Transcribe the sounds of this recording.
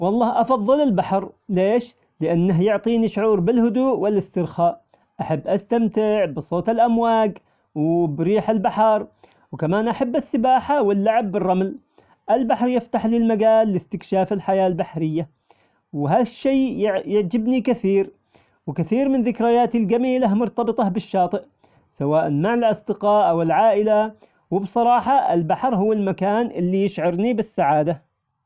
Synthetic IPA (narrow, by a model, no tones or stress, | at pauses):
wɑlˤːɑːhʔɑfɑðˤːɨlɪlbaħɾleːʃ | lɪʔanːaɦjʊʕt̪ˤiːniʃʊʕuːɾbɪlhʊd̪uːʔwɪlɪst̪ɪɾxaːʔ | ʔaħabːʔast̪amt̪ɪʕbɪsˤoːt̪ɪlʔamwaːɡ | wbɾiːħɪlbaħɑɾˤ | wkamaːnʔaħabːɪsːɪbaːħawɪlːaʕabːɪrˤːɑml | ʔɪlbaħɾjɪft̪aħlɪlmaɡaːlːɪst̪ɪkʃaːfɪlħajaːlbaħɾɪjːa | wɦaːðaʃːeːʕjɪʕd͡ʒɪbnikaθiːɾ | wɪkaθiːɾmɪnðɪkɾajaːt̪ilɡamiːlahmʊɾt̪ɑbɨt̪ˤɑbɪʃːɑːt̪ˤɨʔ | sawaːʔanmaʕɪlʔɑsˤd̪ɪqɑːʔʔawɪlʕaːʔɪla | wɪbsˤɑɾˤɑːħɑɪ̰lbaħɾˤhʊwːalmakaːnʔɪlːijɪʃʕɑɾnibɪsːaʕaːd̪a